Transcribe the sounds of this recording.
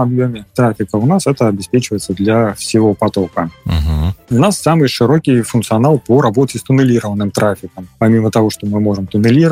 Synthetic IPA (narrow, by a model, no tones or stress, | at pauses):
abjomʲɪt̪ɾafʲɪkəunasɛt̪əɐbʲɪspʲet͡ɕɪvəjɪt̪səd̪lʲɐsʲɪvˠopat̪okəɦʊnasːamɨjʂɨɾokʲijfʊnt̪sɨanalˠpəɾabotʲɪst̪ʊnɨlʲiɾəvənɨmt̪ɾʔafʲɪkəmpamʲimət̪ɐvoʂt̪ɔmɨmoʐɨmt̪ʊnɨlʲiɾə